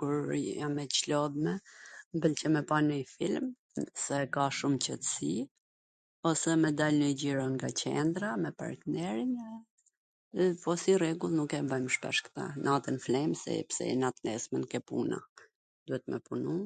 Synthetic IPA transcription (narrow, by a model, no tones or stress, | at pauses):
kuɾjamɛt͡ʃlɔðmɛmbəlcəmɛpanəjfilm | sɛkaʃumcət̪ə̥si | ɔsɛmɛd̪alnəɟiɾɔŋɡat͡ɕɛ̰nd̪ɾamɛpa̰ɾt̪nɛɾin | pɔsirɛɡulˠnukɛbəjmʃpɛ̰ʃkə̥t̪a̰nʔat̪ənflɛmsɛ̰psɛ̰nat̪nɛ̰smɛnkɛpṵna̰ | d̪̥uhɛt̪mɛ̰punu